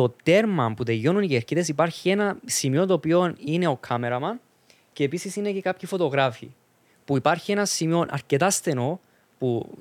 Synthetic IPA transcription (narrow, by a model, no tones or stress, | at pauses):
o̞t̪e̞ɾmɐmput̪e̞jo̞nuniʝeɾciðe̞sipɐɾçienɐsimio̞t̪oːpio̞nine̞o̞kʰːɐme̞ɾɐmɐn | ce̞ːpisisine̞ce̞kapçifo̞t̪o̞ɣɾafḭ | puipɐɾçie̞nɐsimio̞nʔɐ̰ɾce̞t̪ɐst̪e̞no̞ | pu